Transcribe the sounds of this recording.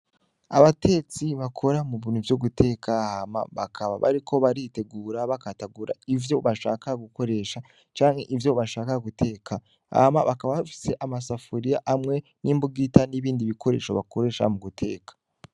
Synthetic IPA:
aβate̞ːt͡siβakʰo̞ɾamuβiːnhuvjuɡutʰe̞ːkʰahama̰βakʰaβa̰βa̰ɾikʰo̞βaɾite̞ɡuːɾaβakataɡuːɾa̰ivjo̞βaʃa̰ːkaɡuko̞ɾe̞ːʃa | t͡ʃaːŋhe̞ʔivjo̞βaʃaːkaɡute̞ːkʰa | a̰ma̰βakaβaβafi̥se̞ʔamasafuɾijaʔamŋe̞nʔiːmbuɡitaniβiːndiβikʰo̞ɾe̞̰ːʃo̞βa̰kʰoɾe̞ːʃa̰muɡutʰe̞̰ːkḁ

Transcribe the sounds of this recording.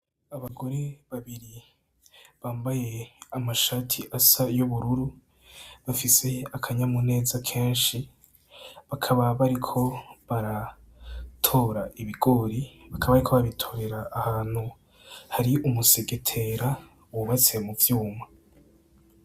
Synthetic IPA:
aβaɡo̞ɾeβaβiɾi | βaːmbaje̞amaʃatʰiʔasajuβuɾuɾu | βafise̞akʰaɲamune̞ːzakʰe̞ːnʃi | βakʰaβaβaɾikʰo̞βaɾa | tʰo̞ːɾaʔiβiɡo̞ɾiβakʰaβaβaɾikʰo̞βaaβitʰo̞ːɾe̞ɾaːhaːn̥hu | haɾiumuseɡe̞tʰe̞ɾa | uβuβat͡siemuvjuːma

